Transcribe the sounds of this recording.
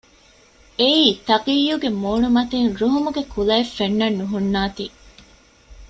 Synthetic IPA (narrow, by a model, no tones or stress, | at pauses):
eiːt̪ɐqijːuɡemoːɳumɐt̪enɾuɦumuɡekʰulɐefːenːɐnːuɦunːaːt̪iː